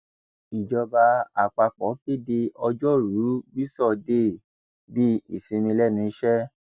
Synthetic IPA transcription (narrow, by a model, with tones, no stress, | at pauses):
i˨d͡ʒɔ˧ba˧a˨k͡pa˧k͡pɔ˨˦ke˦de˧ɔ˧d͡ʒɔ˦ɾu˨˦bi˦sɔ˦˨de˦˨ | bi˦ḭ˦˨sĩ˧nĩ˧lɛ˦˨nĩ˧˦ʃɛ˦